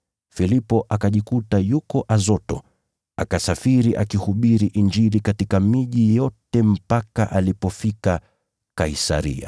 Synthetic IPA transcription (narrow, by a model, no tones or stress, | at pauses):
filipɔʔakaʄikutajukɔʔazɔtɔ̰ | akasafiɾiʔa̰kihuɓiɾiʔind͡ʒilikatikamiʄijɔtɛm̩paka̰ʔalipɔfika | kaisa̰ɾḭa̰